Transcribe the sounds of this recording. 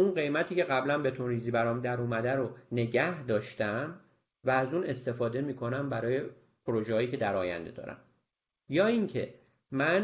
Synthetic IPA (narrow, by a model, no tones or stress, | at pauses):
unɢe̞jmæt̪ʰiːce̞ɣæblænbe̞t̪ʰunɾiːziːbæɾɒːmd̪æɾuːmæd̪æɾone̞ɟæhd̪ɒːʃt̪æm | væːzuːne̞st̪e̞fɒːd̪e̞miːkʰo̞næmbæɾɒːje | pʰoɾoʒehɒːjiːcʲʰe̞d̪æɾɒːjæ̰nd̪e̞̰d̪ɒ̰ːɾæ̰m | jɒːiŋcʰe̞̰ | mæn